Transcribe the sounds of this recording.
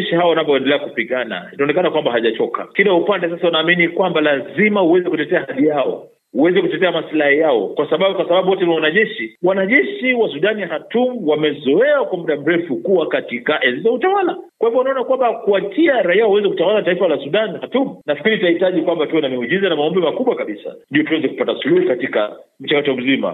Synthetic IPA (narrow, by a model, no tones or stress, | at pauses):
ɛʃihawawanapɔɛndɛlɛakupiɠana̰inaɔnɛkanakwambaɦaʄat͡ʃɔkʰa̰kiɗaupandɛsasaunaːminikwambalazimahuwɛzɛkutɛtɛahaɗijaɔ̰ | uwɛzɛkutɛtɛamaslahijaɔ̰kwasaɓaɓkwasaɓaɓuwɔtɛniawanaʄɛʃiwanaʄɛʃiwasuɗaniahatum̩wamɛzɔɛakwamuɗam̩ɾɛfukuwakatikaʔɛzizautawalakwahivɔwnaɔnakwambakuat͡ʃiaɾaiauwɛzɛkutawalataifalasuɗanhatumunafkiɾitahitaʄikwambatuɔnamɛuʄizanamaɔmbɛmakuɓwakaɓisa̰ndiɔtuwɛzɛku̥patasuluhukatika̰ | m̩t͡ʃakatɔm̩zima̰